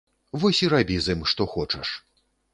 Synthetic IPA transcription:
vɔsʲiɾabʲizɨmʂt̪ɔxɔt͡ʂɐʂ

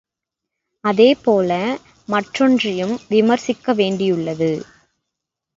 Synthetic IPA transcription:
ɐðeːpoːlɐ | mɐʈrɔndrɪjɯmʋɪmɐɾsɪkːɐʋeːɳɖɪjʊɭːɐðɯ

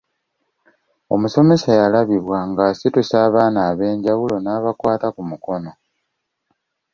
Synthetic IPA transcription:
o̞̰muso̞me̞sajalaβiβwaŋɡasitusaːβaːnaːβe̞ːɲɟawulo̞naːβakwaːtakumuko̞no̞

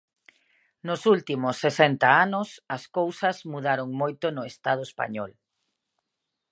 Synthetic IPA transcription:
nʊsult̪imʊsːesɛnt̪ɐanʊsɐskowsɐzmuðaɾoŋmojt̪ʊnʊest̪aðʊespa̰ɲɔl

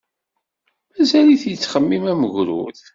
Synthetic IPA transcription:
mæzæliθjət͡sːχəmːimæməʝɾṵθ

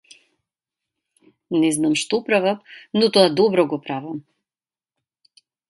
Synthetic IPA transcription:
nɛznamʃt̪ɔpɾavafnɔt̪ɔad̪ɔbɾɔɡɔpɾavam

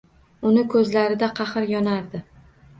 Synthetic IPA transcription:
ʊnɪkʰɵzlaɾɪd̪aqʰɑχɨɾjɒnaɾd̪ɪ

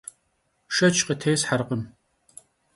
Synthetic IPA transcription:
ʃɐt͡ʃʰqətʰejsħaɾqəm

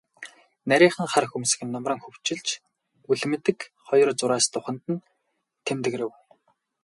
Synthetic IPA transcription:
næɾʲiːχə̆ŋχarxumsɘ̆xɘ̆nːɔmrə̆ːŋxɵw̥t͡ɕɪ̆ɮt͡ɕ | uɮ̆mɘ̆t̪ɘ̆kχɔjɞ̆rt͡sʊɾaːst̪ʊχə̆nt̪ɘ̆n | t̪ʰemt̪ɘ̆ɣɾɘ̆w

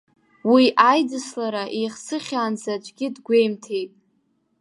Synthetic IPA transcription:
wiʔajdɨslaɾaʔejχsɨχʲaːnzat͡ʃʷʼɡʲɪdɡʷe̞jmtʰe̞jpʼ

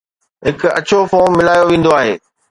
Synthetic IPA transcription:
ɦɪkɐ̰t͡ɕʰofoːmːɪlaːjoʋẽːn̆d̪oaːɦeː

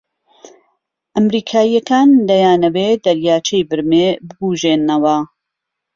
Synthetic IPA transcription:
ʔɐmɾiːkʰaːjːɐkaːnd̪ɐjaːnɐwed̪ɐɾjaːt͡ʃejbɨɾmebɨbuːʒeːnɐwɐ

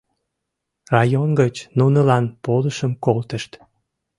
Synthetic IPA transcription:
rɑjonɡət͡ɕnunəlɑnpoləʃəmkolt̪əʃt̪

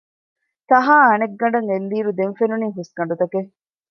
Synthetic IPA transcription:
t̪ɐɦaːɐneɡːɐɳɖɐŋend̪iːɾud̪enfenuniːɦuskɐɳɖut̪ɐke

